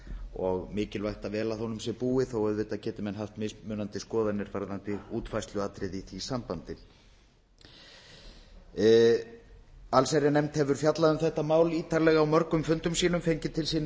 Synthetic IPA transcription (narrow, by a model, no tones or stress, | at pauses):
ɔɣmɪːcɪlvajht̪avɛːlaθhɔnʏmsɛpuːɪθowɛðvɪt̪ːaðcɛːt̪ɪmɛnɦaft̪mɪsmʏːnant̪ɪskɔːðanɪɾvaɾðant̪ɪuːt̪fajst̪lʏaːt̪ɾɪðiθisampant̪ɪ | alsajɾɪnɛmt̪hɛvʏɾ̥fjat̪laðʏmθɛht̪amaːwliːt̪ʰaɾlɛɣaːwmœɾkʏmfʏnt̪ʏmsiːnʏmfejɲcɪt̪ʰɪlsiːn